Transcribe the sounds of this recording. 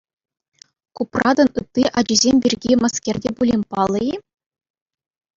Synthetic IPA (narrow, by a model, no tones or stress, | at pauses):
kuprɑd̪ɤ̆nɯt̪ːiʔɑd͡ʑizʲemʲbʲirʲɡʲimɑskʲerʲdʲebulʲimʲpɑlˠːɤ̆i